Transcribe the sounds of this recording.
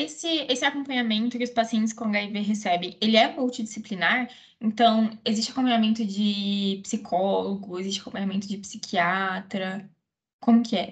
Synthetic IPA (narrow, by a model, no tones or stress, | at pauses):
esɪesɪakõmpɐ̃ɲamẽnt̪ʊkɪʊspasiẽntt͡ʃɪ̥skõɡaiveɦesɛbẽj̃elɪɛmulˠt͡ʃid͡ʒisiplinaɾ | ẽnt̪ɐ̃w̃ezist͡ʃɪakõpɐ̃ɲamẽnt̪ʊd͡ʒɪpsikʰɔloɡʊezisʃt͡ʃɪakõpɐ̃ɲamẽnt̪ʊd͡ʒɪpsikʰiat̪ɾɐ | kõmʊkɪɛ